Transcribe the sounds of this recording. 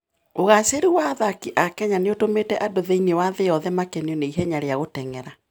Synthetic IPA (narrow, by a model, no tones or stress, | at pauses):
oɣaseɾuwaðakiʔakɛɲaneotometɛʔadoðeinewaðejɔðɛmakɛneɔneiɦɛɲaɾeaɣotɛŋɛɾa